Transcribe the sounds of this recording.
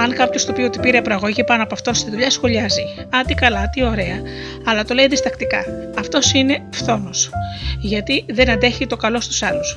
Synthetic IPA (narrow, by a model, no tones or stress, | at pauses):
ɐŋkɐpço̞st̪opio̞t̪ipiɾeɐpɾoɐɣo̞ʝipɐnoɐpoɐft̪o̞nst̪iðuʎɐsxo̞ʎɐziɐt̪ikɐlɐt̪io̞ɾe̞ɐ | ɐlɐt̪o̞le̞jðist̪ɐkt̪ikɐ̰ɐft̪o̞sine̞fθo̞no̞sʝɐt̪iðe̞nɐnd̪e̞çit̪o̞kɐlo̞st̪u̥sɐlus